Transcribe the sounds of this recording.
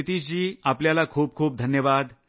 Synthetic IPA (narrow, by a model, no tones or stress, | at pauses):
t̪iːɕd͡ʑiːapljalakʰuːb̚kʰuːp̚d̪ʱənjəʋaːd̪